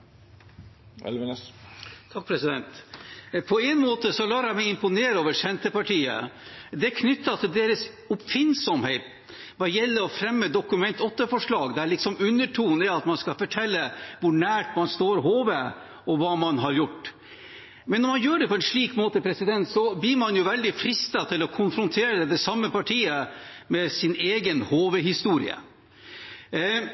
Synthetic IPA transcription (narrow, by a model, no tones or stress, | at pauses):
ɛ̰l | t̪ʰɑk̚pʰɾɛsɪd̪ɛnt̪pʰɔɛɪnmoːt̪əsɔlɑːɾæmɛɪɪmpʊneːɾoːʋəʂɛnt̪əpɑʈʰiːə̰d̪ɛkʰnʏt̪ːɑt̪ʰɪld̪eːɾəs | ʊpfɪnsɔmheɪt̪ | ʋɑjɛlːəɾɔfɾɛmːəd̪ɔkʉmɛnt̪ɔt̪ːəfɔʂɭɑːɡd̪ɛæɭɪksɔmʉnːəʈʰuːnɛɑt̪mɑnskɑfɔʈʰɛlːəʋʊɳæːʈmɑnst̪oːɾɦoːʋeː | ɔʋɑːmɑnɦɑɾjʊʈː | mɛnːɔɾmɑnjøːɖɛpʰɔɛnʂɭiːkmoːt̪əpʰɾɛsɪd̪ɛnt̪sɔblɪɾmɑnjʊʋɛld̪ɪfɾɪst̪ɑt̪ʰɪlɔkʰʊnfɾʊnt̪ʰeːɾəd̪ɛsɑmːəpʰɑʈʰiːəmɛsɪneːɡənhoːʋəhɪst̪uːɾɪ̰ə̰